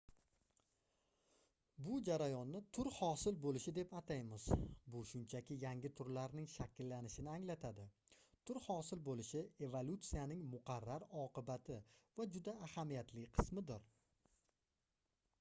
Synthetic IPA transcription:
bʊd͡ʒaɾajɒnːɪt̪ʰʊɾhɒsɪlbolɪʃɪd̪e̞pat̪ʰajmɪz̥bʊʃʊnt͡ʃʰakʲɪjaŋʲɪt̪ʰʊɾlaɾnɪŋʃakʲʰɪlːanɪʃɪnɪaŋlat̪ʰad̪ɪt̪ʰʊɾhɒsɪlbolɪʃɪe̞volˠut̪sijanɪŋmʊqʰɑɾːaɾɒqɨbat̪ʰɪvad͡ʒʊd̪aːhamijat̪ʰlɪqʰɨ̥smɪd̪ɪɾ

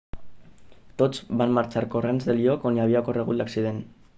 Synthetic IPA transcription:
t̪o̞t͡sbanmaɾt͡ʃaɾko̞renzðelio̞koniaβiako̞reɣ̞ulaksiðe̞n

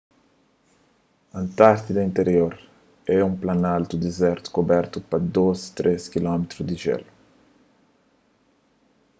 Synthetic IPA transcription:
ɐ̃nt̪aɾt̪id̪ɐĩnt̪eɾjoɾ | ɛũmplɐnalt̪ud̪ezɛɾt̪u̥kobɛɾt̪upɐd̪ozt̪ɾʔeskilɔmet̪ɾʊzd̪ɪʒɛ̰lu

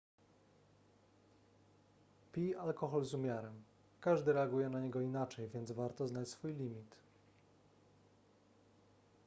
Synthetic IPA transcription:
pʲialkɔxɔlzumʲjaɾɛm | kaʐd̪ɘɾɛaɡujɛnaɲɛɡɔinat͡ʂɛjvʲjɛnd̪zvaɾt̪ɔznat͡ɕsfujlʲimʲit̪

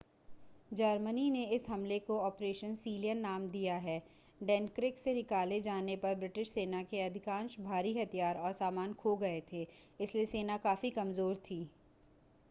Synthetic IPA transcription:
d͡ʒɐɾmənineɪsɦɐmlekoɔːpɾeːʃənsiːlijənːaːmd̪ijaɦɛː | ɖɛ̃ːnkɾɪksenɪkaːled͡ʒaːnepɐɾbɾɪʈɪʃseːnakeɐd̪ʱɪkãːnʃbʱaːɾiɦɐt̪ʰijaːɾɔːɾsaːmaːnkʰoɡɐet̪ʰeːɪslieseːnakaːfikɐmzoːɾt̪ʰiː

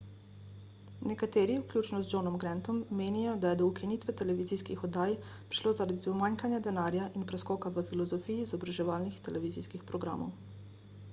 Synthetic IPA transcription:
nɛkat̪eːɾiwklʲjuːt͡ʃnɔzd͡ʒonɔmɡɾɛnt̪ɔmːeːnijɔd̪ajɛd̪ɔukinit̪ʋɛt̪ɛlɛʋiziːskixɔd̪aːj | pɾi̥ʃloːzaɾad̪iɔmaŋkanjad̪ɛnaːɾjaʔinpɾɛskɔːkaʋəfilɔzɔfiːjiːzɔbɾaʒɛʋaːlnixt̪ɛlɛʋiːziːskixpɾɔɡɾa̰ːmɔ̰w

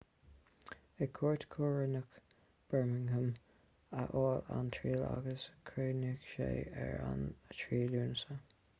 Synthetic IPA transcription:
əkʰuːɹtkʰoːɹənək | b̥ɛɹmɪŋəm | əʔoːlantʰɹiːla̰ɡəskʰɹeːnɪkʃḛːɛɹa̰ntʰɹiːluːnsə

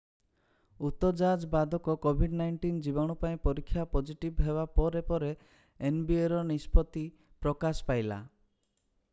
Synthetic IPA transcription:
ut̪ɔd͡ʒad͡ʒɔbad̪ʱɔkɔkobʱiɖnajɳʈind͡ʒibɔɽ̃upaĩpɔɾikʰːjapɔd͡ʒiʈibɦebapɔɾepɔɾeː | nbieɾɔnispɔt̪i | pɾɔkasɔ̥pajla̰

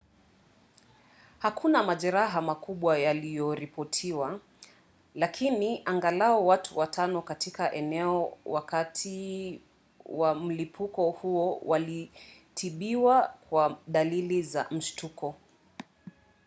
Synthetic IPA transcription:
hakʰunamaʄɛɾaɦamakuɓwajalijɔɾipɔtʰiwa | lakʰiniʔaŋɡalaɔwatʰuwatʰanɔkatikaʔɛnɛɔwakatʰi | wam̩lipʰukɔhuɔwali | tʰiɓiwakwaɗaliliza̰m̩ʃtukɔ

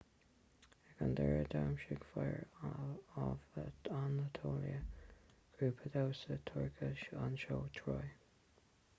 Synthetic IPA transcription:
ɛɡand̪ɛɹəd̪aːmʃɪɡfɛɹ | vanət̪ʰoːlḭə | ɡ̥ɾuːpʰəd̪awsət̪ʰʊɹɡʰəʃanʃoːt̪ʰɹoj

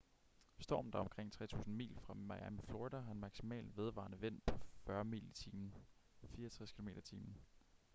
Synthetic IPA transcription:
sd̥ɒ̰ːmn̩d̥ɑ̈ɒ̽mkʰʁeŋ̰t͡sʰʁɛ̰ːt͡sʰṵːsn̩mḭːlfʁɑ̈mɑ̈jæmifloʁid̥æɑ̈enmɑ̈ɡ̥simɛ̰ːlʋe̝ð̞ˠʋɑ̰̈nəʋen̰pʰɒ̽fɶɐmḭːlit͡sʰiːmn̩ | fiːɐt͡sʰʁɛskʰilo̝me̝̰ːɾɐt͡sʰiːmn̩

